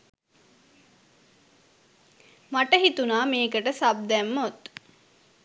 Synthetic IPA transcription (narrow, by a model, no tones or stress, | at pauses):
maʈəɦit̪unaːmeːkəʈəsab̚d̪ɛmːot̪